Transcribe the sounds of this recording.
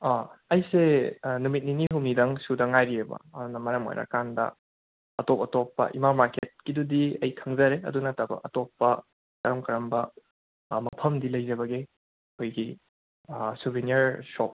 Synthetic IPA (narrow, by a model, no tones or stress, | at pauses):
aɐjsenumit̚niniɦumnidɐŋsudɐŋajɾiebɐ̰ɐdunɐmɐɾɐmo̰jɾɐ̰kandɐ̰ | ɐtopɐtopːɐ̰ʔimamaɾket̚kidudiɐjkʰɐŋzɐɾeɐ̰dunɐtabɐ̰ɐtopːɐ | kɐɾɐmkɐɾɐmbɐ | mɐpʰɐmdilɐjzɐbɐɡi | kʰojɡi | subʱiniɐɾsop̚